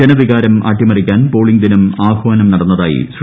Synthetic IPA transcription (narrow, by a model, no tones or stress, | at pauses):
enɐʋiɣaːɾɐmaːʈːimɐrikʲːaːnpoːɭiŋɡd̪inumaːhuʋɐnɐmnɐɽɐnːɐðaːjḭs